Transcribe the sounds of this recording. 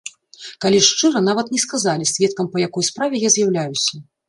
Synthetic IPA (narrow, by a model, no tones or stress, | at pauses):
kalʲiʂt͡ʂɨɾɐnavɐt̪nʲɛskazalʲisʲvʲɛt̪̚kɐmpɐjakɔjspɾavʲɛjazʲjawlʲajusʲɐ